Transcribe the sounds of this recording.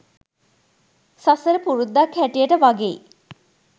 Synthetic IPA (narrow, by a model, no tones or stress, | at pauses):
sasəɾəpuɾud̪ːakʰːæʈijəʈəʋaɡḛ